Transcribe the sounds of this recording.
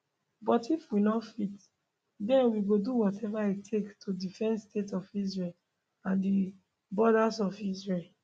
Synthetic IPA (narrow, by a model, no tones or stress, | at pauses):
bɔtifwinɔfit | dɛ̃nwiɡoduwɔtʰɛvaitʰektʰodifɛ̃nstetɔfis̬ɹel | ãndi | bɔɾazɔfisɹel